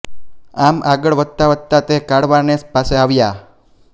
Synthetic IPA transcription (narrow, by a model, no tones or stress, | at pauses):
amʔaɡəɭʋət̪ːaʋət̪ːat̪ekaɽʋanespaseaʋja